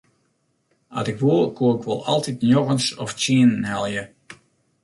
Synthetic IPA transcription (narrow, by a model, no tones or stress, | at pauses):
a̰tɪkʋolˠkʰoːɪkʋo̰lˠɑlˠtitnjoɣənsɔ̰ft͡ʃiənhɛlˠjə